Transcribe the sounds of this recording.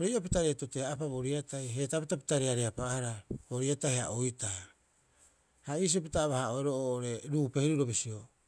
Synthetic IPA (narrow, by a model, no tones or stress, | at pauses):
ɾejopitaɾetoteapaβo̞ɾiatajɦe̞tapitapi̥taɾeaɾeapahaɾabo̞ɾiatajha̰ʔojta | haiːs̬iopitaβahaoeɾoʔooʔoɾe̞ɾuːpe̞hiɾuɾo̞bisio